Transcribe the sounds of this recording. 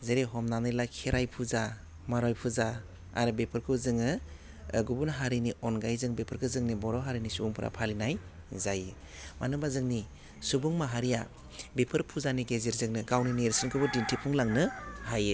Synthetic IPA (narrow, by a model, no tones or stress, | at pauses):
zeɾeɦɔmnanɯjlakʰeɾajpʰuza | maɾɔjpʰuza | a̰ɾɯbepʰɯɾkʰɯzɯŋɯ | ɡubunɦaɾiniɔnɡajzɯŋbepʰɯɾkʰɯzɯŋnibɔɾɔɦaɾinisubuŋpʰɯɾa̰pʰalinaj | zajɯ | manɯbazɯŋni | subuŋmaɦaɾija | bepʰɯɾpʰuzaniɡeziɾzɯŋnɯɡawninieɾsɯnkʰɯbɯdintʰipʰuŋlaŋnɯhaje